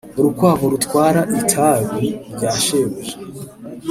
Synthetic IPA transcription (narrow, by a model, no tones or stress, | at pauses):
uɾukwaːvoɾutwaːɾaʔitʰaβiɾɟaːʃewuʒe